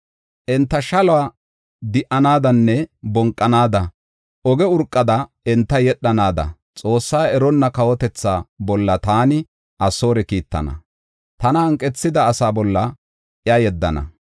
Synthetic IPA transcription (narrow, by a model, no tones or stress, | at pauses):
ʔɛnt̪ːɐʃɐlɔaː | d̪ɪʔɐnaːd̪ɐnːɛbɔŋkʼːɐnaːd̪ɐ | ɔɡɛʊɾkʼːɐd̪ɐ | ɛnt̪ːɐjɛɗːɐnaːd̪ɐ̰ | t͡sʼo̞ːsːaːɛɾɔnːɐkɐwɔt̪ɛt͡sːaːbɔlːɐt̪aːnɪ | ʔɐsːo̞ːɾɛkiːt̪ːɐ̰nɐ̰ | t̪ɐnɐhɐŋkʼːɛt͡sːɪd̪ɐːsaːbɔlːɐ | ɪjajɛd̪ːɐ̰nɐ̰